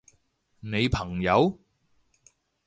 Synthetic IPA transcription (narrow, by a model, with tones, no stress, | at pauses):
ne˨˧jpʰɐ˨˩ŋjɐ˨˧w